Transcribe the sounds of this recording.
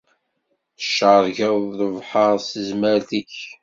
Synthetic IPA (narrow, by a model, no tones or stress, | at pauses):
əʃːəɾˤʝæðəvħɑɾˤsəzməɾθiç